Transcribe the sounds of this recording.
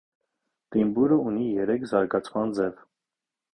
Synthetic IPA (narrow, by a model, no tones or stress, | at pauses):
t̪imbuɾəunijɛɾɛkʰzɑɾɡɑt͡sʰmɑnd͡zɛv